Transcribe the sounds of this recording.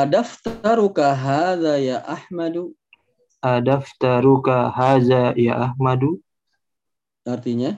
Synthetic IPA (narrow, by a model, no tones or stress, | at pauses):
ʔadaft̪aɾukaɦaːðajaʔahmadu | ʔadaft̪aɾukahaːðaja̰ʔahmadu | aɾt̪iɲa